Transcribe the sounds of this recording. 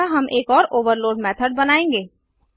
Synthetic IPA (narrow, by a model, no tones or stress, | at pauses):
aɦɐmʔeːkɔːɾoːʋəɾloːɖmɛːt̪ʰəɖ̚bɐnaːẽːŋɡeː